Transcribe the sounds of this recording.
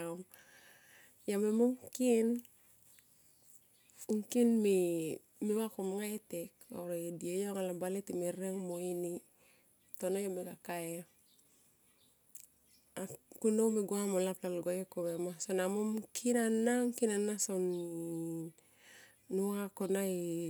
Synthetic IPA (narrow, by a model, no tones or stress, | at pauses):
a | jamemomkin | uŋkinmi | miwakomŋaeteko̰ɾadiejoŋalabaletimeɾeŋmoini | tonojomeɡakae | akunomiɡwamolaplalɡajokomemasonamomkʰinanaŋkinanason | uakonai